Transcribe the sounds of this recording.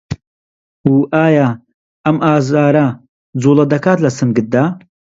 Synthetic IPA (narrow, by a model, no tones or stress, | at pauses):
uːʔaːjaː | ɐmʔaːzaːɾɐ | d͡zuːlˠɐd̪ɐkaːt̪lɐsɨnɡɨt̪̚d̪aː